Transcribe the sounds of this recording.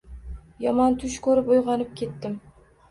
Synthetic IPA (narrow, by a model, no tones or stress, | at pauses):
jɒmɒnt̪ʰʊʃkʰɵɾɪpojʁɑnɪp̚kʲʰe̞t̪ːɪm